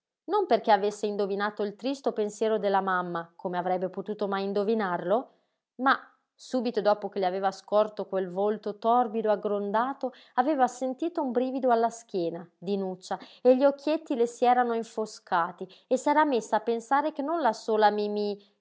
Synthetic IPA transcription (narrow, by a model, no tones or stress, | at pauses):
nomperk̟eavesːeind̪ovinaːt̪oilt̪ɾist̪opensjɛːɾod̪elːamamːakʰomeavɾɛbːepot̪uːt̪omajind̪ovinarlo | ma | suːbit̪od̪ɔːpok̟eliaveːvaskɔrt̪okwelvolt̪ot̪ɔrbid̪oaɡɾond̪aːt̪o | aveːvasent̪iːt̪oumbɾiːvid̪oalːask̟jɛːnad̪inut͡ʃːaeʎːiokːjet̪ːilesiɛːɾanoiɱfoskʰaːt̪iesɛːɾamesːaːpːensaːɾek̟enːonlasoːlamimi